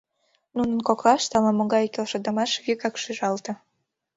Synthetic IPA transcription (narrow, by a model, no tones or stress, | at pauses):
nunənkoklɑʃt̪ɑlɑmoɣɑjkelʃɤ̆d̪ɑmɑʃβykɑkʃyʒɑlt̪ɤ̆